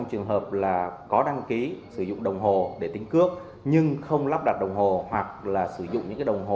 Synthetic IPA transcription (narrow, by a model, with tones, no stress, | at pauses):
ŋ͡mt͡ɕɨ˨˩əŋɦəː˨˩p̚laː˨˩kɔ˨˦ɗa˧ŋki˨˦sɨ˧˩zʊ̰˧˨ŋ͡mɗə˨˩wŋ͡mɦo˨˩ɗe˧˩t̪i˨˦ŋ̟kɨ˦˥ək̚ | ɲɨ˧ŋxə˧wŋ͡mlaː˦˥p̚ɗaː˨˩t̚ɗə˨˩wŋ͡mɦo˨˩hwa˨˩k̚laː˨˩sɨ˧˩zʊ̰˧˨ŋ͡mɲɨ̰˧˥kːaː˨˦ə˨˩wŋ͡mɦo˨˩